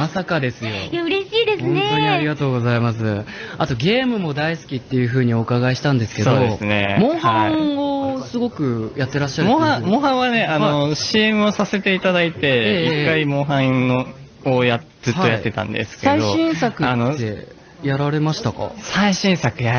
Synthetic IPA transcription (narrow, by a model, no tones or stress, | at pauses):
masakad̪e̞sɨjo̞jaɯ̟ɾeɕiːd̪esõt̪oɲiaɾʲiɡat̪o̞ːɡo̞zaimas̬ɨ | at̪o̞ɡʲe̞ːmɯ̟mo̞d̪aisɨ̥kʲit̪ːe̞jɯ̟ɸɯ̟ːɲ̟io̞kaɡaeɕi̥t̪ãnd̪e̞sɨ̥ke̞doːoesɨne̞̰mõ̞ːhão̞sɨɡo̞kɯ̟jat̪ːe̞ɾaɕːaɾmõãmõɦãɰ̃βane̞anoɕiːemɯ̟osase̞t̪e̞it̪ad̪ait̪e̞eikːaimõ̞ɦã | ojat | z̥ɨhaːo̞jat̪ːe̞t̪ã̰nd̪e̞̰sɨ̥kesaid̪oɕĩɰ̃sakɯ̟anoːe̞ | jaɾaɾe̞maɕi̥t̪akɑ̰saiɕĩɰ̃sakɯ̟ja